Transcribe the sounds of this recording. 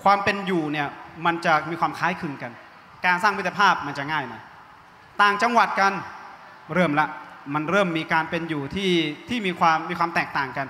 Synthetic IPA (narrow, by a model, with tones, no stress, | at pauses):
kʰwaː˧mpe˧njuː˨˩ni˥˩ɐma˧nt͡ɕa˨˩miː˧kʰwaː˧mkʰaː˦˥jkʰɯ˧ŋka˧n | kaː˧nsaː˥˩ŋmiː˦˥a˧pʰaː˥˩p̚ma˧nt͡ɕa˨˩ŋaː˥˩jma˧˩ | t̪aː˨˩ŋt͡ɕa˧ŋwa˨˩t̪̚ka˧n | ɾɤː˧˩mla˦˥ʔma˧nɾɤː˥˩mːiː˧kaː˧npe˧njuː˨˩t̪ʰiː˥˩t̪ʰiː˥˩miː˧kʰwaː˧mːiː˧kʰwaː˧mt̪ɛː˨˩k̚t̪aː˨˩ŋka˧n